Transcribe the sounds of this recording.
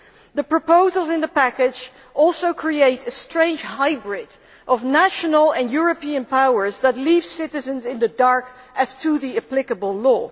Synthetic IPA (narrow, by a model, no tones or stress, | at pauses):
ðəpɹ̥əpoʊzl̩ˠzɪ̃nðəpækɪd͡ʒ | ʔɔlˠsoʊkʰɹ̥ieɪtɨstɹ̥ẽɪ̃nd͡ʒ̥haɪbɹɪd | ʔʌvnæʃənl̩ˠə̃njʊɹəpiɨ̃npawə˞zðətˡliv̥sɪɾɨzɨ̃nzɪ̃nðədɑɹk | ʔɨz̥tʰəðiɨplɪkəbəl̩ˠlɔː